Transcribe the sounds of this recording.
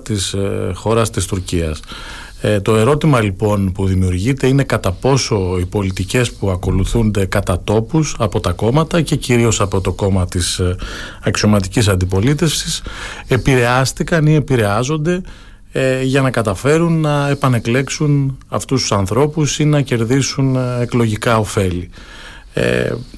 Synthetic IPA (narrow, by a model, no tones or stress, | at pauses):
t̪isxo̞ɾɐst̪ist̪uɾciɐ̰s | t̪o̞e̞ɾo̞t̪imɐlipo̞npuðimiuɾʝit̪e̞ine̞kɐt̪ɐpo̞so̞ipo̞lit̪ice̞spuɐko̞luθund̪e̞kɐt̪ɐt̪o̞pusɐpo̞t̪ɐko̞mɐt̪ɐce̞ciɾio̞sɐpo̞t̪o̞ko̞mɐt̪is | ɐksio̞mɐt̪icisɐnd̪ipo̞lit̪e̞fsise̞piɾe̞ɐst̪ikɐnie̞piɾe̞ɐzo̞nd̪e̞ | ʝɐnɐkɐt̪ɐfe̞ɾunːɐe̞pɐne̞kle̞ksunɐft̪ust̪u̥sɐnθɾo̞pusinɐce̞ɾðisune̞klo̞ʝikɐo̞fe̞li | ḛ